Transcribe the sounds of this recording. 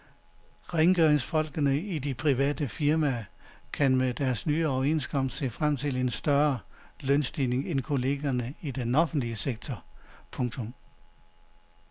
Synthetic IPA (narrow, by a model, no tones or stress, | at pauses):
ʁeŋɡ̥øɐeŋsfɒ̽l̰ɡ̥ənəidipʰʁiʋɛ̰ːd̥əfiɐmækʰænmed̥æɐsnyːɒʊe̝̰nsɡ̥ʰɒ̽m̰d̥se̝̰ːfʁam̰t͡sʰe̝le̝nsd̥ɶɐlønsd̥ine̝ŋenkʰo̝le̝ːɡ̥ɐnəid̥enɒ̽fn̩d̥liəseɡ̥̚t͡sʰɒpʰɔ̽ŋt͡sʰɔ̽m